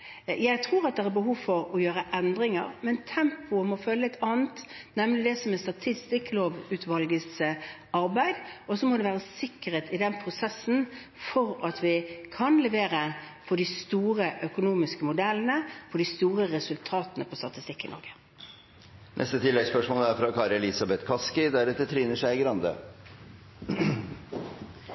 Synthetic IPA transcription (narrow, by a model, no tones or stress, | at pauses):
jæɪt̪ʰɾuːɾɑt̪̚d̪ɛæɾbəɦuːʋfɔɾɔjøːɾəʔɛnd̪ɾɪŋə̰ɾmɛnt̪ʰɛmpʊɔmɔfœlːəɛt̪ʰɑːnət̪nɛmnlɪd̪ɛsɔmɛst̪ɑt̪ʰɪst̪ɪkloːʋʉt̪ʋɑlɡəs | ɑɾbæɪd̪ʔɔsɔmɔd̪ɛʋæːɾəsɪkːəɾeːt̪ɪd̪ɛnpʰɾʊsɛsːn̩ | fɔɾɑt̪ʋɪkʰɑnlɛʋeːɾə | fɔd̪ɪst̪uːɾəʔœkʊnuːmɪskəmʊd̪ɛlːənəfɔɖ̪ɪst̪uːɾəɾɛsʉlt̪ʰɑːt̪ənəpʰɔst̪ɑt̪ɪst̪ɪkːɪnɔ̰ɾɡə̥ | nʔɛ̰st̪ət̪ʰɪlːɛɡspœʂmoːlæɾfɾɑkʰɑːɾɛlɪsɑbɛt̪kʰɑskɪd̪æɾɛt̪ːət̪ʰɾiːnəʂæɪɡɾɑnd̪ə̰